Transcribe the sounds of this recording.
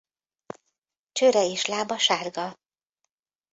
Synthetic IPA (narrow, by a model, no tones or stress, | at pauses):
t͡ʃøɾɛeːʃlaːbɒʃaːrɡɒ